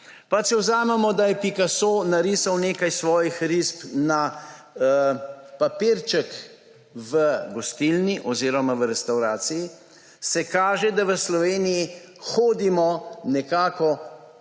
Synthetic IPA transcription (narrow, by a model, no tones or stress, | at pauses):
pat͡ʃɛwzaːmɛmɔd̪ajɛpikasonaɾisawneːkajsʋɔːjixɾispna | papiːɾt͡ʃək | ʋəɡɔst̪ilniʔɔziːɾɔmaʋəɾɛst̪awɾaːt̪siji | sɛkaːʒɛd̪aʋəslɔʋeːniji | xoːd̪imɔnɛkaːkɔ